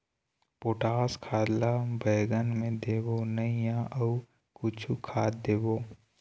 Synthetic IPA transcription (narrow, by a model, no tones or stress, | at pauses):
poːʈaːskʰaːd̪labəːɡənmẽd̪eːbonəijãʔəu | kʊt͡ʃʰukʰaːd̪eːboː